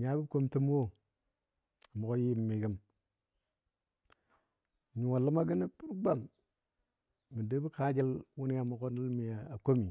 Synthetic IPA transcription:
mi˨ja˦bi˦ko˦mti˦m˦wo˦ | a˨mo˨ko˦ji˦˨mːi˨kə˦m˨ | ɲu˨wa˨lə˦ma˦ɡi˦ni˦pu˦ɾɡ͡ba˦˨m | i˨de˦bi˦ka˦d͡ʒa˦lwu˦ni˦ja˨mu˨ko˦ni˦lmi˨a˨a˨ko˦mi˨

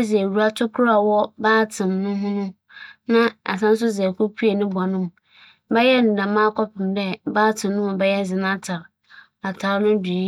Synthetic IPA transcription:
zɪ˨e˨wu˨˦a˦tʰʊ˦kʰʊ˦ɾa˨wɔ˦baː˦tʰɪ̃˨nːʊ̃˦ɦʊ̃˦nʊ̃˦ | nã˦a̰˨s̬ã˦n˦s̬ʊ˦zɛ˨kʰo˦pʰu˦e˨nʊ̃˦ba˨nʊ̃˦m | bɛ˦jɛ˦n̩˨dã˨mã˦kʰɔ˦pʰɪ̃˨mdɛ˦baː˦tʰɪ̃˨nːʊ̃˦ɔ˨bɛ˦jɛ˦d͡zɪ˨nã˦tʰa˨ɾ | a˨tʰa˨˦nʊ̃˦di˨i˦

